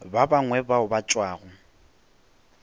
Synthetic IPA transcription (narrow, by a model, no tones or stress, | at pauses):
babaŋwɛbaʊbat͡ʃʼwaːɣʊ